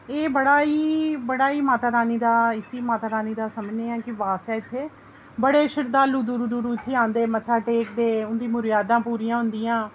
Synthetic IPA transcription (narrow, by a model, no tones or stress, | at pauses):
eːbəɽaːiːbəɽaːiːmaːt̪aːɾaːniːd̪aːɪsiːmaːt̪aːɾaːniːd̪aːsəmd͡ʒneːãːkɪʋaːsɛːɪt̪ʰːeː | bəɽeːʃɪɾd̪aːluːd̪uːɾuːd̪uːɾuːɪt̪ʰːeːãːnd̪eːmət̪ʰːaːʈeːk̚d̪eːʊnd̪ĩːmʊɾɪjaːd̪ãːpuːɾiːãːɦʊ̃nd̪ɪjãː